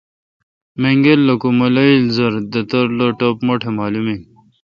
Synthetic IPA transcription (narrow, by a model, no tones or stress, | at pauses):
meŋɡelːɐkumɐlɐilzɐɾd̪ɐt̪ɐɾloʈopmoʈʰemaːlumi